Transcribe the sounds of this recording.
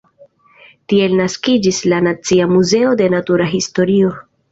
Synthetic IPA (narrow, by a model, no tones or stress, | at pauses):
tie̞lnaskid͡ʒislanat͡siamuze̞o̞de̞natuɾaɦisto̞ɾio̞